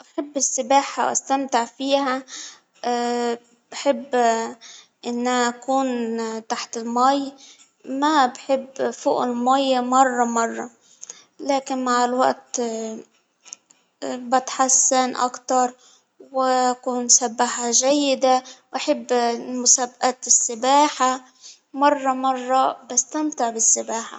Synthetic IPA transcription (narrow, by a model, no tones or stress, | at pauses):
ʔaħɪbːɪsːɪbaːħa̰wʔa̰st̪amt̪ɪʕfiːha | b̥aħɪbː | ʔɪnːaʔakuːnt̪aħt̪ɪlmaj | mabħɪbːfṵːʔɪlmajmɑrˤːɑmɑrˤːɑ̰ | laːkɪnmaʕɪlwa̰ʔt̪ | bɪt̪ħasːanʔa̰kt̪ɑɾˤ | wɪʔakuːnsabːaħaʒajːɪd̪awʔaħɪbːmʊsabʔaːt̪ɪsːɪbaːħa | mɑrˤːɑmɑrˤːɑbast̪amt̪ɪʕbɪsːɪbaːħa̰